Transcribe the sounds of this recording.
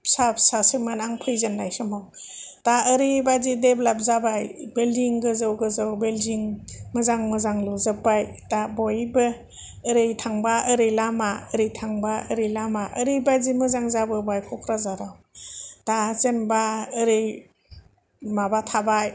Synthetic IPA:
sap̚sasɯmɯnaŋpʰɯjzenlajsɯmawtaəɾibazideblap̚zabajbeldiŋɡɯzɯwɡɯzɯwbeldiŋmɯzaŋmɯzaŋlɔzɯpːajtabɔjbɯː | ɾɯjtʰaŋbaəɾɯjlamaəɾɯjtʰaŋbaɯɾɯjlamaʔəɾɯjbazimɯzaŋzabɯbajkʰɔkʰɾazaɾawtat͡ʃenbaəɾɯj | mabatʰabaj

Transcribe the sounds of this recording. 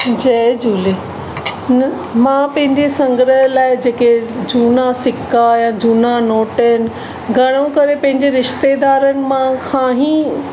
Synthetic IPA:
d͡ʑɐd͡ʑuːle | mãːpɐ̃ɦɪ̃ɲd͡ʑesɐ̃ŋɡɾəɦlaːɪd͡ʑeːked͡ʑʱuːnasɪkːajãːd͡ʑuːnanoːʈənɪ̆ | ɡʱɐɽ̃õkɐɾepɐ̃ɦɪ̃ɲd͡ʑeɾɪʃt̪ed̪aːɾənɪ̆mãkʰãːɦĩː

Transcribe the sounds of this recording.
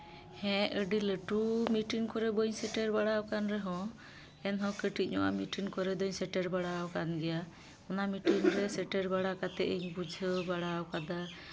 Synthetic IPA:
hɛ̃əɖiləʈumiʈiŋkɔɾɛbəɲsɛʈɛɾbaɽawkanɾɛɦɔ̃ | ɛnɦɔ̃kəʈit̪̚ɲɔʔa̰miʈiŋkɔɾɛd̪ɔɲsɛʈɛɾbaɽawkanɡɛja | ɔnamiʈiŋɾɛsɛʈɛɾbaɽakat̪ɛʔiɲbud͡ʒʱəbaɽawkad̪a

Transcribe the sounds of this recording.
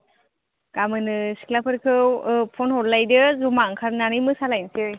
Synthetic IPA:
kamɯnɯsi̥klapʰɯɾkʰɯwpʰɔnhɔllajdɯzumaŋkʰaɾnanɯjmɯsalajnsɯj

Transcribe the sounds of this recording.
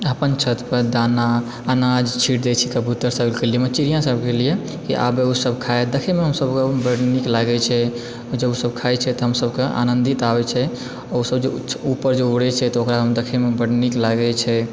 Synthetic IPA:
əpənt͡ʃʰət̪pəd̪anaː | nad͡ʒt͡ʃʰiʈd̪ɛt͡ʃʰikəbʱut̪ːəɾsəɡlkelijemət͡ʃiɾijãsəbkelije | kḭʔa̰beusəbkʰajd̪ekʰɛmeɦəmsəbkebəɽniklaɡɛt͡ʃʰɛ | d͡ʒəbusəbkʰajt͡ʃʰɛt̪ɔɦəmsəbkea̰nənd̪it̪abɛt͡ʃʰɛ | ɔusəbd͡ʒeupəɾd͡ʒeuɽɛt͡ʃʰɛt̪ɔokɾaɦəmd̪ekʰɛmebəɽniklaɡɛt͡ʃʰɛ

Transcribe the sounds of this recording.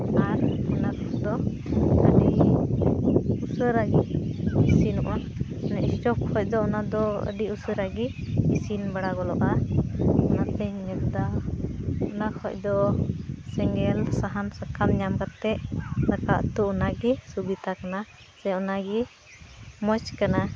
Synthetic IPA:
aɾɔnakʰɔsd̪ɔ | ə̰ɖi | usəɾaɡiisinɔʔa | nɛʔsʈɔkhɔc̚d̪ɔɔnad̪ɔə̰ɖiusəɾaɡi | isinbaɽaɡɔlɔ̰ʔa | ɔnat̪əɲnɛd̪a | ɔnakʰɔc̚d̪ɔ | sɛŋɡɛlsaɦansakʰamɲamkat̪ːɛʔlakaʔt̪uɔnaɡɛsubit̪akana | sɛɔnaɡɛ | mɔt͡ʃkana

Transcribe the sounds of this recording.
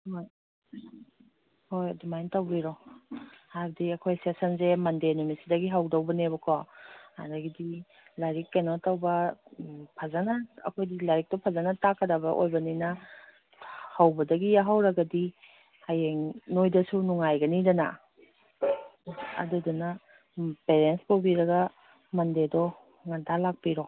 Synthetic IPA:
hoj | hojdumajntawɡiɾɔ | habdiɐkʰojsesɐnsemɐndenumisidɐɡiɦawdawbɐnebɐkʰɔa̰daɡidi | laɾikːanɔtawbɐ | pʰazanaɐ̰kʰojdilaɾik̚tɔpʰazanɐtakʰɐdabɐʔo̰jbɐninɐ | hawbɐdɐɡijaɦawɾɐɡɐdi | hajeŋnojdɐsunuŋajɡɐnidɐna̰ | duduna | peɾenspawbiɾɐɡɐ | mɐndedɔ | ŋantʰalak̚piɾɔ

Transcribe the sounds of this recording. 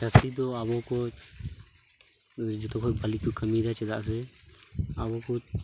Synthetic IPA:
t͡ʃasid̪ɔabɔkɔ | d͡ʒɔt̪ɔkʰɔbalikɔkəmid̪at͡ʃɛd̪a̰ʔs̬ɛ | abɔkɔ

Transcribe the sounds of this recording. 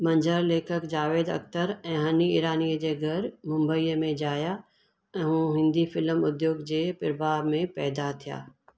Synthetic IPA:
mɐ̃ɲd͡ʒəɾleːkʰəkd͡ʒaːʋeːd̪ɐ̰kt̪əɾɛ̃ːɦəniɪːɾaːnijəd͡ʑeːɡʱɐɾmʊ̃mbəiːəmẽd͡ʑaːja | ɛ̃ɦũɦɪ̃nd̪ifɪləmʊd̪joːɡd͡ʑeːpɪɾbaːɾmẽpɛːd̪at̪ʰija̰ː

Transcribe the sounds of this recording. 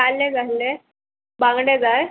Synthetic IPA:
alːed͡zajle | bãŋɡɽed͡zaj

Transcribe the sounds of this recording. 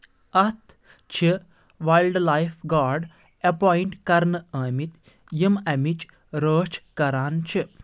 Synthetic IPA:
ɐt̪ʰ | t͡ʃʰi | ʋajlɖlaːjfɡaːɾɖ | ɐpɔːiɳʈkɐɾnəəːmit̪ | jimɐmit͡ʃ | ɾəːt͡ʃkɐɾaːnt͡ʃʰi

